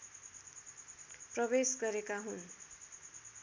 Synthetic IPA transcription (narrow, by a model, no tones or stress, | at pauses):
prʌβesɡʌɾekaɦun